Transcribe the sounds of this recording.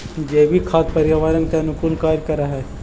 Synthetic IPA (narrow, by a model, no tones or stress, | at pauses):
jeːbʱikʰaːt̪̚pɐɾɪjaʋaːɾənkanʊkuːlkaːɾkɐɾaɦɛː